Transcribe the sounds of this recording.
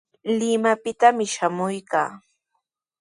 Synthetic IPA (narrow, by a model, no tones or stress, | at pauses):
lɪmapɪt̪amɪʃamʊjkaː